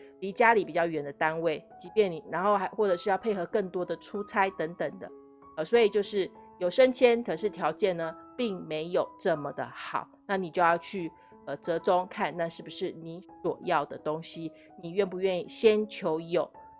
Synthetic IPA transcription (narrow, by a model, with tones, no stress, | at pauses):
li˧˥t͡ɕja˥li˨˩pi˨˩t͡ɕjɑ˥˩ʊɥɛ˧˥nd̪ə˨t̪a˦nwe˥˩ɪt͡ɕi˧˥pjɛ˥˩nni˨˩ɻa˧˥nxo˥˩ʊxɪxwɔ˥˩ʈ͡ʂɤ˨˩ʂɻ̩˥˧jɑ˥˧ʊpʰe˥˩ɪxɤ˧˥kə˥˩ŋt̪wɔ˥d̪ə˨ʈ͡ʂʰu˥t͡sʰa˥ɪt̪ə˧˥ŋt̪ə˨˩ŋd̪ə̰˦ | ə˩swɔ˧˥i˨˩t͡ɕjo˥˧ʊʂɻ̩˥˩jo˨˩ʊʂə˦˥nt͡ɕʰjɛ˥nkʰɤ˨˩ʂɻ̩˥˩t̪ʰjɑ˧˥ʊt͡ɕjɛ˥˩nnə˩pi˥˩ŋme˧˥ɪjo˨˩ʊʈ͡ʂə˥˩mə˩d̪ə̰˩xɑ˨˩˦ʊna˥˩ni˨˩t͡ɕjo˥˧ʊjɑ˥˧ʊt͡ɕʰy˥˩ | ə˧t͡sɤ˧˥t͡sʊ˥ŋkʰa˥˨nːa˥˧ʂɻ̩˥˩bu˨˩ʂɻ̩˥˩ni˧˥swɔ˨˩jɑ˥˩ʊd̪ə˩t̪o˥ŋɕi˦ | ni˨˩ɥɛ˥˩npu˧˦ɥɛ˥˧ni˥˩ɕjɛ˥nt͡ɕʰjo˧˥ʊjo˨˩˦ʊ